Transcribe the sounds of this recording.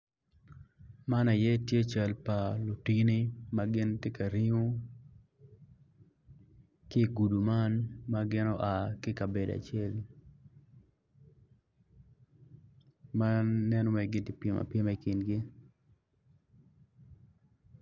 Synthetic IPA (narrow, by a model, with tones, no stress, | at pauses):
ma˦na˨jɛ˦tje˦t͡ʃa˨lpa˨lu˨ti˦ni˦ma˦ɡɪ˦nte˦ka˨ɾi˦ŋo˦ | kɪː˦˨ɡu˨du˨ma˦nma˦ɡɪ˦nɔ˦ʔa˨kɪ˦ka˨be˨da̰˨t͡ʃɪɛ˦l | ma˦nːɛ˦nɔ˦mɛ˨ɡɪ˨ntɪ˨pje˨ma̰˨pje˦ma˨i˨kɪ˨nɡɪ˦